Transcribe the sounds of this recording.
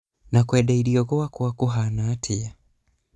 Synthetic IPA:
nakwɛɗaiɾiɔɣɔwakuakuɦanaːtʰia

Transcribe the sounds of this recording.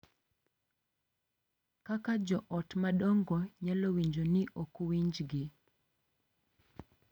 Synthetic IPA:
kakad͡ʒɔʔɔtmaɗɔŋɡɔɲalowiɲd͡ʒonɪʔokuwiɲd͡ʒɡɪ

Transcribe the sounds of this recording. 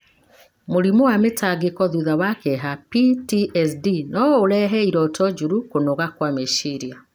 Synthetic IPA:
moɾimowametaɡekɔðuðawakɛɦapitiʔɛsdinɔoɾɛɦɛiɾɔtɔd͡ʒuɾukonoɣakwameʃiɾia

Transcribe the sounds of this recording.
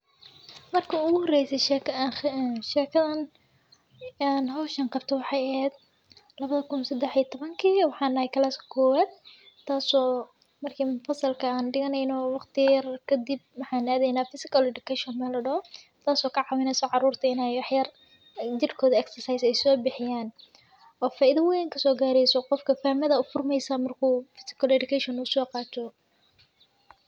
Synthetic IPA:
mɐrkʰɐʊɣʊhɔrɛjsɛʃɛk | ʃɛːkʰɐðɐn | anɦɔːʃɐnqɑb̚t̪ʰɔwɑħɑːjɐhhɛːd̪ | lɐβɐðɐkʰʊnsɐd̪ɛħiːɐt̪ʰɔβɐŋkʰiːwɑħɑːnːɐhɛjkʰɐlaːskʰɐ̥kʰɔːwaːd̪̚ | t̪ʰːaːsɔː | mɐrkʰiːmʊfɐsɐlkʰɐaːnɖɪɣɐnɛjnɔwɑqt̪ʰɪjɐrkʰɐd̪ib̚wɑħɑːnaːðɛjnaːfɪsɪkɐlɛɖɪkʰɛʃɔnmɛːlɐɖɔɔ | t̪ʰaːsɔːkʰɐʕɑwɪnɛsɔʕɑɾuːrt̪ʰɐɪnɛjwɑħjɐr | d͡ʒɪrkʰɔːðɐɛksɐrsajsɛjsɔːbɪħɪjaːn | ʔɔːfaːʔɪðɐwɛjŋkʰɐsɔːɡaːɾɛjsɔqɔfkʰɐfaːmɐðɐʊfʊrmɛjsɐmɐrkʰuːfɪ̥sɪ̥kʰɐlɛɖɪkʰɛʃɔnʊsɔːqɑːt̪ʰɔ

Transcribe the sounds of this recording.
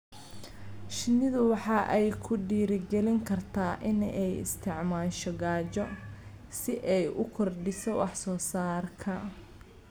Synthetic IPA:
ʃɪnɪðʊwɑħɑːʔɛjkʰʊɖiːɾɪɡɛlɪŋkʰɐrt̪ʰaːʔɪnɛjɪ̰st̪ʰɪʕmaːʃɔɡaːt͡ʃɔ | sɪʔɛjʔʊkʰɔrɖɪsɔwɑħsɔːsaːrkʰɐ

